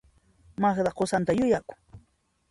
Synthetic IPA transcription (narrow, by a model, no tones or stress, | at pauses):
mɑχd̪aqosant̪ajʊjakʊ̥ŋ